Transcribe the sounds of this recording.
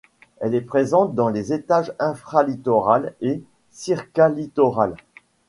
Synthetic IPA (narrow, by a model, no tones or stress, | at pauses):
ɛlɛpχezɑ̃t̪̚d̪ɑ̃lezet̪aʒɛ̃fχalit̪ɔʁale | siʁkalit̪ɔʁal